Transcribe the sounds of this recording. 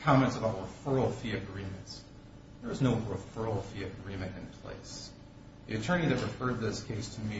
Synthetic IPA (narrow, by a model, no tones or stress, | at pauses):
kʰɑmɛ̃ntsəbaʊtəfɜ˞l̩ˠfiɨɡɹĩmɨ̃nts | ðə˞wʌznoʊɹəfɜ˞l̩ˠfiɨɡɹĩmɨ̃ntɨ̃npʰl̥ḛɪs | ðiɨtʰɜ̃˞ñiðɨt̚pɹ̥ɨfɜ˞d̪̚ðɪskʰeɪstʰɨmi